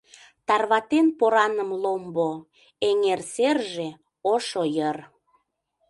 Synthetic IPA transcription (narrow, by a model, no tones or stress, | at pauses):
t̪ɑrβɑt̪enpoɾɑnəmlombo | eŋerserʒe | oʃojər